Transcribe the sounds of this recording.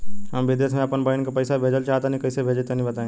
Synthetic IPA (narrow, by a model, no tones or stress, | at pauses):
ɦəmʋɪd̪jəsmẽəpənbəɪnkapəɪsabʱeːd͡ʒəlt͡ʃaːt̪aːnĩkɐɪsebʱeːd͡ʒet̪ɐnĩbət̪aːẽ